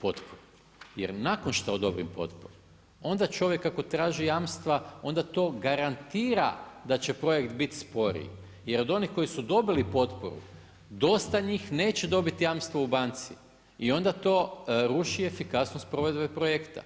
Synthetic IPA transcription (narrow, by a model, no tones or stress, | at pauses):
po̞t̪poɾu | jḛɾnako̞nʃt̪aod̪o̞bɾḭmpo̞̰t̪po̰ɾom | o̞nd̪at͡ʃo̞ʋje̞kːako̞t̪ɾaːʒijamst̪ʋao̞nd̪at̪o̞ːɡaɾant̪iːɾa̰d̪at͡ɕe̞pɾo̞je̞kt̪bit̪spo̞ɾḭ | je̞ɾo̞d̪o̞niko̞jisud̪o̞bilipo̞t̪po̰ɾṵ | d̪o̞st̪aɲiːxne̞ːt͡ɕe̞d̪o̞bit̪ijamst̪ʋoubant̪si | io̞nd̪at̪o̞ːɾuʃie̞fikasnost̪pɾo̞ʋed̪bepɾojekt̪a̰